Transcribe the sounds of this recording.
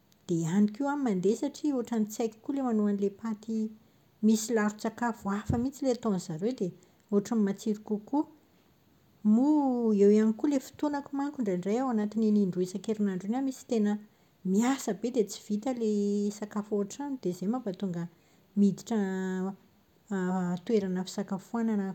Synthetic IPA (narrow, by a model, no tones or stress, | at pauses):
d̪̥eanikiwamimand̪esaʈ͡ʂioaʈ͡ʂanit͡sajki̥kulemanuanilepat̪i | misilaɾut͡sakafuafəmit͡sileat̪onz̥aɾewd̪e | oaʈ͡ʂamimat͡siɾikuku | muewianikulefi̥t̪unakumaŋkuɳɖ͡ʐaɳɖ͡ʐajawanat̪ineniɳɖ͡ʐuesakeɾinaɳɖ͡ʐenamisi̥t̪enə | miasəbed̪et͡si̥v̥it̪əlesakafoɦaʈ͡ʂanid̪̥ezemabat̪uŋɡə | mid̪iʈ͡ʂə | t̪weɾanəfi̥sakafuananə